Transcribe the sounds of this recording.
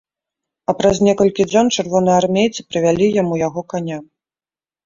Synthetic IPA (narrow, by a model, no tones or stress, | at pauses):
ɐpɾɐznʲɛkɐlʲkʲid͡zʲɔnt͡ʂɨrvɔnɐjarmʲejt̪sɨpɾɨvʲalʲijamujaɣɔkanʲa